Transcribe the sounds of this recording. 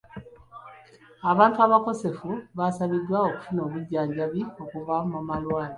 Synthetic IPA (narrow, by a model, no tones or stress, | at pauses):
aβaːntuaβako̞se̞fuβasaβidːwao̞ku̥funo̞ːβuɟːaːɲɟaβio̞kuvamamalwaːli